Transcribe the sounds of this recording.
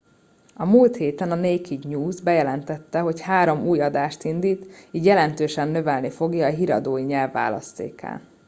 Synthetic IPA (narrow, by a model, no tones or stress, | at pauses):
ɒmuːlt̪heːt̪ɛnɒneːkiɟɲuːzbɛjɛlɛnt̪ɛt̪ːɛɦo̞chaːɾo̞muːjɒd̪aːʃt̪ind̪iːt̪iːɟjɛlɛnt̪øːʃɛnnø̞vɛlnifo̞ɡjɒːɦiɾɒ̰d̪oːjiɲɛlvːa̰ːlɒ̰st̪ḛːka̰ːl